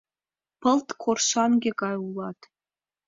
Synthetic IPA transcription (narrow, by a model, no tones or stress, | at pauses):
pʰəltʰkʷʰorʃanɡʲɪkʼajulɑtʰʼ